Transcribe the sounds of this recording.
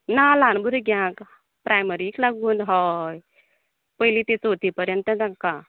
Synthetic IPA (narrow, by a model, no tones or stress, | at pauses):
nalãnbuɾuɡʱjãk | pɾʔajməɾiklaɡuːnɦɔj | pəjlit̪ẽt͡sot̪ipəɾjənt̪əd͡zãka